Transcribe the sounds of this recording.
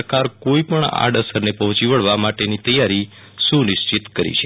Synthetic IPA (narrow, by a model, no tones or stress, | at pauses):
kaɾkoipəɳa̰ɖəsəɾnepəɦɔ̃t͡ʃiʋəɭʋamaʈenit̪əjaɾi | sũnɪʃt͡ʃit̪kəɾḭt͡ʃʰe